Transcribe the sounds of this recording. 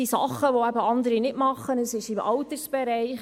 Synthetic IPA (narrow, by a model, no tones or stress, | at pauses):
isɑ̰χəʋoæbəɑndəɾinɪtmɑχənəsɪʃɪmɑlt̪əɾsb̥ɛɾɛɪχ